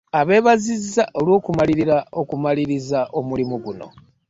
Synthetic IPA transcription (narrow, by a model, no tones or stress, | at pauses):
aβe̞ːβazizaʔolwo̞ːkumaliɾiɾao̞kumaliɾizaʔo̞mulimuɡuno̞̰